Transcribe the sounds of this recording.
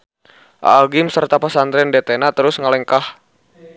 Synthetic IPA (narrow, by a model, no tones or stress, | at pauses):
ʔa̰ːɡɪmsərt̪apasant̪ɾɛndɛt̪ɛnat̪əɾʊsŋalɛŋkah